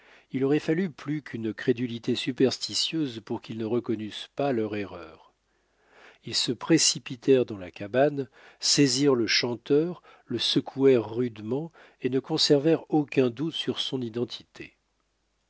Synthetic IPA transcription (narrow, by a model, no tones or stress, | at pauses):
ilɔʁɛfalyplykʰynkχed̪ylit̪esypɛʁst̪isjøzpuʁkʲilnəʁəkɔnyspalœʁeʁœːʁ | ilsəpχesipit̪ʰɛʁd̪ɑ̃lakaban | seziʁləʃɑ̃t̪œʁ | ləsəkʰuɛʁːyd̪mɑ̃ | enəkɔ̃sɛʁvɛʁokʲɛ̃d̪ut̪syʁsɔ̃nid̪ɑ̃t̪ʰit̪ʰḛ